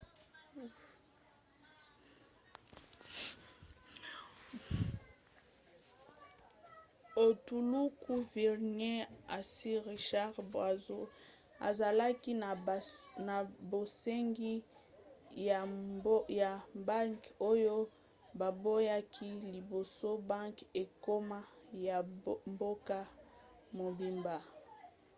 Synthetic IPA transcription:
o˨tu˨lu˦ku˦vi˨ʁne˦a˨si˦ʁi˨ʃa˦ʁbwa˨zo˦ | a̰˨za˨la˦ki˦˨na˨bo˨se˦ŋɡi˦ | ja˨ba˦ŋko˦jo˦ | ba˨bo˦ja˦kʰi˦li˨bo˨so˦ba˦ŋke˨ko˦ma˦ja˨mbo˦ka˦ | mo˨bi˨mba˨

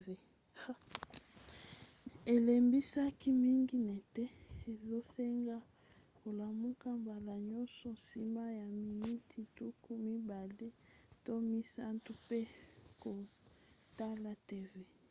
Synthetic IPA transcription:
e˨˦ | e˨le˨mbi˦sa˦ki˦mi˦ŋɡi˦nɛ˨tɛ˦e˨zo˦se˦ŋɡa˦ | ko˨la˨mu˦ka˦mba˨la˨ɲɔ˦nsɔ˨nsi˦ma˦ja˨mi˨ni˦tʰi˨tu˦ku˦mi˦ba˨le˦to˦mi˦sa˦ntu˦pe˦ko˨ | ta˦la˦te˦ve˨

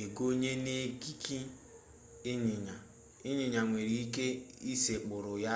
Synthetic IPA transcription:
e˨ɡo˦ɲe˦ne˦ki˦ki˦ | ɪ˦ɲɪ˨ɲa˨ | ɪ˦ɲɪ˨ɲa˨ŋʷe˨ɾi˨i˦ke˦i˦se˨k͡pʊ˨ɾʊ˨ja˦

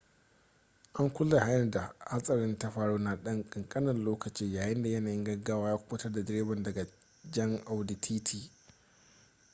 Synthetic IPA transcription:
ʔa˦ŋkʷʊ˦lːa˨ha˦nɐ˦˨da˨ha˦sʼɐ˨ɾɪ˦nta˦ɸaː˨ɽoː˦na˦ɗɐ˦ŋkʼɪ˨ŋkʼɐ˦nɐ˨nloː˦kɐ˨t͡ʃiː˦jaː˨jɪ˦nda˨jɐ˦naː˨jɪ˦ŋɡɐ˦ɡaː˦waː˦jaː˦kʷʊː˦tɐ˦rda˨dɪ˦ɾeː˦bɐ˨ndɐ˨ɡa˨ | d͡ʒɐ˦ŋʔa˨wdɪ˨tʰiː˦tʰiː˦

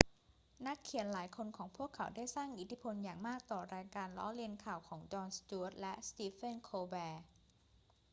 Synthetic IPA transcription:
na˦˥kʰːi˨˩˦nlaː˩˦jkʰo˧nkʰɔː˩˦ŋpʰu˥˩əkʰːa˩˦wdaː˥˩jsaː˥˩ŋʔi˨˦˩t̪ʰi˦˥pʰo˧njaː˨˩ŋmaː˥˩k̚t̪ɔː˨˩ɾaː˧jkaː˧nlɔ˦˥li˧ənkʰaː˨˩wkʰɔː˩˦ŋt͡ɕɔː˧nst̪u˧˦˥t̪̚lɛ˦˥ʔst̪iː˧fe˥˩nkʰoː˧bɛː˧

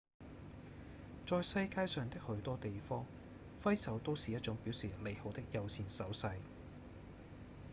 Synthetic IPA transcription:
t͡sɔː˨jsɐ˧jkaː˧jsœː˨ŋt̪ɪ˥k̚hɵ˨˥ɥt̪ɔː˥t̪e˨jfɔː˥ŋ | fɐ˥jsɐ˨˥wt̪o˥wsiː˨jɐ˥t̚t͡ʃʊ˨˥ŋpiː˨˥wsiː˨˩le˨jho˨˥wt̪ɪ˥k̚jɐ˨˧wsʰiː˨˩nsɐ˨˥wsɐ˧j

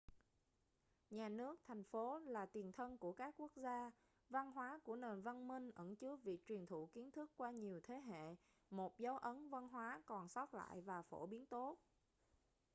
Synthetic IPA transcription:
ɲaː˨˩nɨ˦˥ək̚t̪ʰa˨˩jŋ̟fo˨˦laː˨˩t̪wi˨˩ənt̪ʰə˧nku˧˩əkaː˦˥kːu˦˥ək̚zaː˧ | va˧nɦwaː˨˦ku˧˩əne˨˩nva˧nmï˧ŋ̟ʔə˧˩ŋt͡ɕɨ˦˥ək̚vi˨˩ək̚t͡ɕwi˨˩nt̪ʰṵ˧˩˨ki˨˦ənt̪ʰɨ˦˥kːwaː˧ɲi˨˩əwt̪ʰe˨˦ɦḛ˧˨ | mo˨˩t̚zə˨˦wʔə˨˦nva˧nɦwaː˨˦kɔ˨˩nsɔa˦˥t̚la̰ː˧˨jvaː˨˩fo˧˩ɓi˨˦ənt̪o˦˥t̚

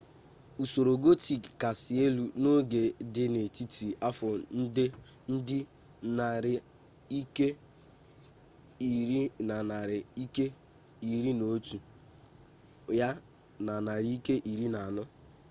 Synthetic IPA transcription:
u˨so˨ɾo˨ɡo˦ti˨kka˨sɪ˨e˦lu˨no˦ɡe˨dɪ˦ne˨ti˦ti˨a˦fɔ˨n̩˦dɪ˦ | n̩˦dɪ˦ | na˨ɾɪ˨ | i˦ke˦˨ | ɾi˦na˨na˨ɾɪ˨i˦ke˦ | i˨ɾi˦no˨˦tu˨ | ja˦ | na˨na˨ɾi˦i˦ke˦ʔi˨ɾi˦na˨a˨nʊ˦

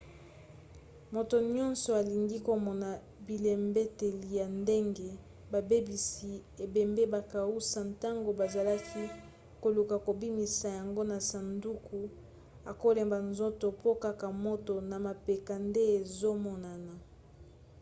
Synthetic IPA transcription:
mo˨to˨ɲɔ˦nsɔ˨a˨li˨ŋɡi˦ko˨mɔ˨na˨ | bi˨le˨mbe˦te˨li˨ja˨nde˦ŋɡe˦ | ba˨be˦bi˨si˨e˨be˨mbe˦ba˨ka˨u˦sa˨nta˦ŋɡo˨ba˨za˨la˦kʰi˦ | ko˨lu˨ka˨ko˨bi˦mi˨sa˨ja˨ŋɡo˦na˨sa˨ndu˦ku˨ | a˨ko˦le˨mba˨nzo˦to˨po˦ka˦ka˨mo˦to˨na˨ma˨pe˨ka˨nde˦e˨zo˦mɔ˨na˨na˨

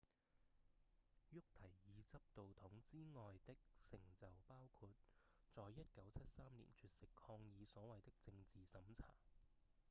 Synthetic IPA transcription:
jʊ˥k̚t̪ʰɐ˨˩jːiː˨˧t͡sɐ˥p̚t̪o˨wt̪ʰʊ˨˥ŋt͡siː˥ŋɔː˨jt̪ɪ˥k̚sɪ˨˩ŋt͡sɐ˨˩wpaː˥wkʰuː˧t̚t͡sɔː˨jːɐ˥t̚kɐ˨˥wt͡sʰɐ˥t̚saː˥mlḭ˨˩nt͡ʃʰyː˨˧t̚sɪ˨kʰɔː˧ŋjiː˨˧sɔː˨˥wɐ˨jt̪ɪ˥k̚t͡sɪ˧ŋt͡siː˨sɐ˨˥mt͡sʰa̰ː˨˩

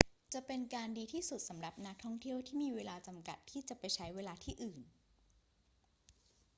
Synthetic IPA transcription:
t͡ɕa˨˩pe˧nkaː˧ndiː˧t̪ʰiː˥˩su˨˩t̪̚sa˩˦mɾa˨˩p̚na˦˥k̚t̪ʰɔ˥˩ŋt̪ʰi˥˩əwt̪ʰiː˥˩miː˧weː˧laː˧t͡ɕa˧mka̰˨˩t̪ʰːiː˥˩t͡ɕa˨˩pa˧jt͡ɕʰa˦˥jweː˧laː˧t̪ʰiː˥˩ʔɯː˨˩n

